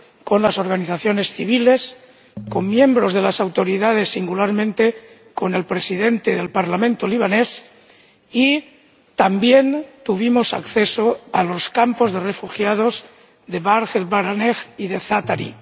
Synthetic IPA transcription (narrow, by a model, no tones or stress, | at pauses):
ko̞nlaso̞ɾɣaniθaθjo̞ne̞sθiβ̞ile̞s | ko̞mːjẽ̞mbɾo̞zð̞e̞lasawt̪o̞ɾiðað̞e̞sːiŋɡulaɾmẽnt̪e | ko̞ne̞lpɾesiðe̞nt̪eðe̞lpaɾlamẽnt̪oliβ̞anes | i | t̪ambje̞nt̪uβimosa̰kθesoalo̞skampo̞zðere̞fuxjað̞oz | ðeβaɾxet̪βaɾaneɣiðe̞θat̪aɾḭ